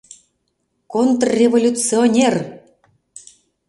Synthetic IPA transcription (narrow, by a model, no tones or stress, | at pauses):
kont̪rrʲevolʲut͡sionʲer